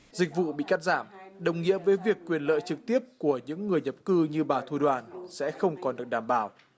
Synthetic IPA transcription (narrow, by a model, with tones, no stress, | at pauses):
zï˨˩k̟̚vṵ˧˨ɓḭ˧˨kaː˦˥t̚zaː˧˩mɗə˨˩wŋ͡mŋḭ˧˥əvəː˨˦jvi˨˩əkːwi˨˩ənlə̰ː˧˨jt͡ɕɨ˨˩k̚t̪i˦˥əp̚ku˧˩əɲɨ̰˧˥ŋːɨ˨˩əjɲə˨˩p̚kɨ˧ɲɨ˧ɓaː˨˩t̪ʰu˧ɗwaː˨˩nsɛ̰˧˥xə˧wŋ͡mkɔ˨˩nɗɨ˨˩ək̚ɗaː˨˩mɓaː˧˩w